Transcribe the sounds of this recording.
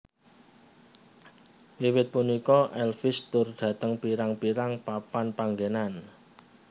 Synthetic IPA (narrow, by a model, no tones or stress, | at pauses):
wiwɪt̪̚punikɔʔɛlfɪst̪ʊrɖ̥ä̤t̪əŋpiɾaŋpiɾaŋpapanpaŋɡenan